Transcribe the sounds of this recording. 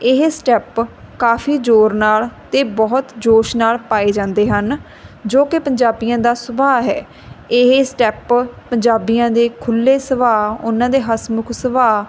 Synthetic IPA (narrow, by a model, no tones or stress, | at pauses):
ɪɦesʈɛːpkaːfʰiːd͡ʒoːɾnaːlt̪eːbɔːt̪d͡ʒoːʃnaːlpaːeːd͡ʒãːnd̪eːɦən | d͡ʒoːkɪpəɲd͡ʒaːbijãːd̪aːsʊbaːɦɛː | ɪɦeːsʈɛːppəɲd͡ʒaːbijãːd̪eːkʰʊlːeːsəʋaːʊ̰nãːd̪eːɦəsmʊkʰsəʋaː